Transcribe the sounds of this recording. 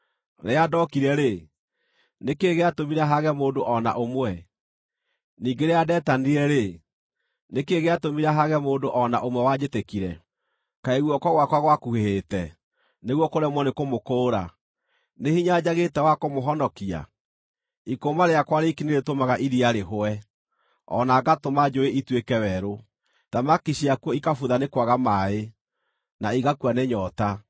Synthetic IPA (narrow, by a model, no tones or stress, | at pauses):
ɾeadɔkiɾɛɾe | nekeːɣeatomiɾaɦaɣɛmoːndoʔɔna̰ʔomwɛ | niːŋɡeɾeadɛtaniɛɾe | nekeɣatomiɾaɦaɣɛmoːndoʔɔna̰ʔomwɛwad͡ʑetekiɾɛ̰ | kaeɣwɔkwaɣwakwaɣwakuheheːtɛ | neɣwɔkoɾɛmwɔnekomokoːɾa̰ | nehiɲad͡ʑaɣetɛwakomoɦɔnɔkia̰ | ikomaɾeakwaɾekineɾetomaɣaʔiɾiaɾeɦoɛ | ɔ̰naɡatomad͡ʒoeʔitwekɛwɛɾo | ðamakiɕiakwɔikafuðanekwaɣamae | naiɣakwaneɲɔta